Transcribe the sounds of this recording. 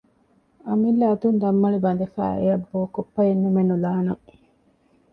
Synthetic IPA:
ɐmilːɐd̪und̪ɐmːɐɭibɐnd̪efæ̰ːḛjɐbːoːkopːɐjenːumenːulaːnɐŋ

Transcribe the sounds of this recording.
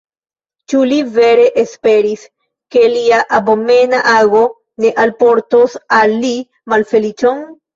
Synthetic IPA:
t͡ʃulive̞ɾe̞ʔespe̞ɾis | ke̞liaʔabome̞naʔaɡo̞ | ne̞ʔalpo̞ɾtosalːi | malfe̞lit͡ʃon

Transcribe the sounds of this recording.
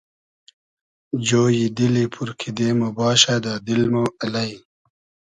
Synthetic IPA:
d͡ʑoːjid̪ilipʰuɾkʰid̪emobɑːɕad̪ad̪ilmoɐlaj

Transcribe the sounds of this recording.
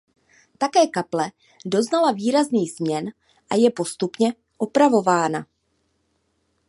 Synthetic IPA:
t̪akɛːkaplɛ | do̞znalaviːɾazniːz̥mɲɛn | ʔajɛpo̞st̪upɲɛ | ʔopɾavo̞vaːna

